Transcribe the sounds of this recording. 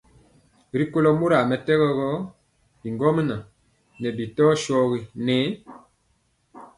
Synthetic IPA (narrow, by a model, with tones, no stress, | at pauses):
ɾi˦ko˦lɔ˦mu˦ɾa˨mɛ˨tɛ˦ɣɛ˦ɣɔ˦ | bi˨ŋɡɔ˦mə˦na˨ | nɛ˨bi˨tɔ˦ʃɔ˦ɣi˨nɛ˨˦